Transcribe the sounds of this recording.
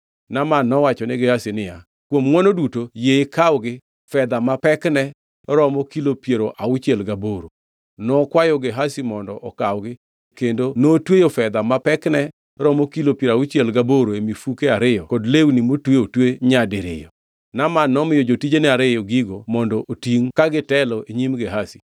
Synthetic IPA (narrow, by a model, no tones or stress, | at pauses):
namanːɔwat͡ʃɔnɛɡehasɪnɪja | kwomŋwɔnodutojeɪkawɡɪ | fɛd̪amapɛknɛ | ɾɔmɔkilopjeɾoʔaʊt͡ʃjɛlɡaboɾo | nɔkwajɔɡeɦasimɔndɔʔɔkawɡɪ | kendonotwejofɛd̪amapɛknɛ | ɾɔmɔkilopjeɾawʊt͡ʃjɛlɡaboɾoemifukeaɾɪjɔkɔdlewnimotweotweɲadɪɾɪ̰jɔ | namanːɔmɪjɔd͡ʒotid͡ʒenɛaɾɪjɔɡiɡomɔndɔʔotiŋkaɡɪtɛlɔeɲimɡeɦasi̥